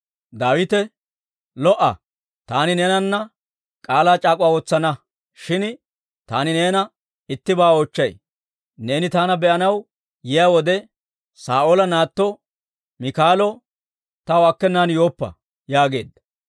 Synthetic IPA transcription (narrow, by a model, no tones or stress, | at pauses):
d̪aːwɪt̪ɛ | lɔʔɐ̰ | t̪aːnɪneːnɐnːɐ | kʼaːlaːt͡ʃʼaːkʼʊwaːwɔt͡sːɐnɐ | ʃɪn | t̪aːnɪne̞ːnɐ | ɪt̪ːɪbaːoːt͡ʃːɐj | ne̞ːnɪt̪aːnɐbɛʔɐnɐw | jɪjaːwɔd̪ɛ | saːʔolɐnaːt̪ːɔ | mɪkaːlɔ | t̪ɐwɔɐkːɛnːaːnjo̞ːpːɐ̰ | jaːɡe̞ːd̪ːɐ